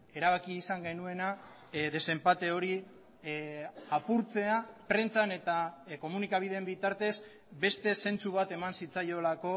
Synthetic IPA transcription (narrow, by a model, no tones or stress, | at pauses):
e̞ɾaβ̞akiːsaŋɡe̞nue̞na | ðe̞se̞mpat̪e̞o̞ɾi | apuɾt͡se̞apɾe̞nt͡sane̞t̪ako̞munikaβiðe̞mbit̪aɾt̪e̞s | be̞st̪e̞se̞nt͡suβ̞at̪e̞mansit͡sajo̞lako̞